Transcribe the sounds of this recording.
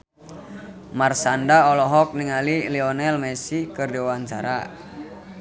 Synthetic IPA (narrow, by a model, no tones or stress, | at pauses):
marsandaɔlɔɦɔk̚niŋalilɛɔnɛlmɛsikərdiwaɲt͡ʃaɾa̰